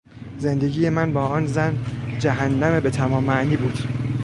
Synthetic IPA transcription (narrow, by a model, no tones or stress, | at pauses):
ze̞nd̪eɡiːje̞mænbɒːɒːnzænd͡ʒæɦænːæmebe̞t̪ʰæmɒːmːæʔniːbuːd̪̥